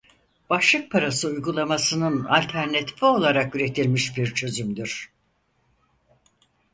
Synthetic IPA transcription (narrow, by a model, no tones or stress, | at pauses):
b̥aʃlˠɯk̚pʰaɾasɯujɡulˠamasɯnɯnalʲt̪ʰæɾnat̪ʰi̥fio̞lˠaɾakyɾe̞t̪ʰilʲmiʃbiɾt͡ʃʰø̞zymd̪yɾ̥